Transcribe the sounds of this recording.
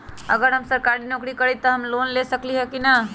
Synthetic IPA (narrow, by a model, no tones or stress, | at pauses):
ə̰ɡəɾɦəmsəɾkaɾinokɾikəɾit̪ɔɦəmlonlesəkliɦɛkina